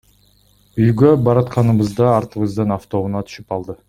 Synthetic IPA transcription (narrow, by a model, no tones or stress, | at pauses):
yjɡøbɑɾɑt̪qɑnɯβɯzd̪ɑːɾt̪ɯβɯzd̪ɯnaft̪o̞munɑt̪ʰy̥ʃypɑlˠd̪ɯ